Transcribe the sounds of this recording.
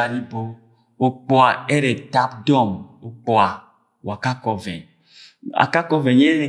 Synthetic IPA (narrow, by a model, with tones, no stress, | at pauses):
a˨li˦bo˦ | o˨k͡pɔ˦a˨ɛ˦ɾɛ˨ta˦bdɔ˦˨mo˨k͡pɔ˨a˨ | wa˨ka˦kɔ˨vɛ̰˨ɲ | a̰˨ka˦kɔ˦vɛ˨ɲe˦e˨